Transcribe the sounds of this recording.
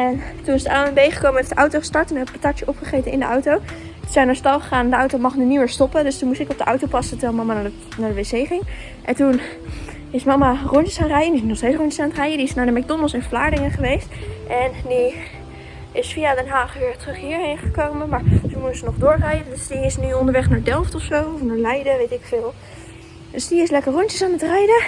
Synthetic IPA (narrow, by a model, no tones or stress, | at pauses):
ɛntunɪsdəʔaːənbejχə̥kowməɛtətʔɑwtowχəstɑɹtunɛbəpatɑkt͡ʃəʔɔpχəχejtənɪ̰ndəʔawtow | təzɛjnaːɹstɑlˠχəχaːnɛndəɑwtowmɑχnəniwəɹstɔpəndɵstunmustɪkɔb̚dəʔʌwtowpɑsətəʋɛlˠmɑmana | naːɹdəʋejzejχɪŋ | ʔɛntun | ɪsmɑmarɔnəsχaːnrɛjəndinɔχstejsrɔntəsχaːntrɛjədiɪsnaːɹdəmɛɡ̚dɔnəlˠsɪnflaːɹdɪŋəχəʋejstʔɛndi | ɪsfiadɛnɦaːχʋɪːɹtrɵχɦiːɹɦejnχəkowmənmaːɹzəmutəsənɔχdʊːɹrɛjəndøsdiɪsnyɔndəɹʋɛχnaːɹdɛlˠftɔfsowɔfnaːɹlɛjdəʋejtɪkfɪːlˠ | døsdiɪslɛkəɹrɔntəsaːnətrɛjdə